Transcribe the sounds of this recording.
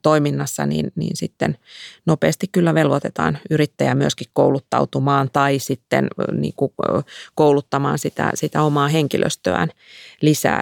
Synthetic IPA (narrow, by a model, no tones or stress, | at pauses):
t̪oiminːɑsːɑ̰nḭːnnḭːnsit̪ːennopeːst̪ikkylːæʋelʋot̪et̪ɑ̰ːnyrit̪ːæjæmyøskikkoulut̪ːɑ̰ut̪umɑːnt̪ɑisit̪ːḛnnḭːŋkukoulut̪ːɑmɑ̰ːnsit̪æ̰sit̪æomɑːheŋkilʔø̰st̪ø̰æ̰nlisæ̰ː